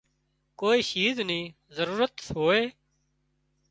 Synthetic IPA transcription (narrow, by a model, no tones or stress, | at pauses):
koːiːʃiːznĩː | zəɾuːɾət̪sɦoːeː